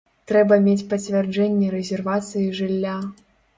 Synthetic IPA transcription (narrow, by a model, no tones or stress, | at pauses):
t̪ɾɛbɐmʲet͡sʲpɐt͡sʲvʲɛrd͡ʐɛnʲːɛɾɛzʲɛrvat̪sɨjiʐɨlʲːa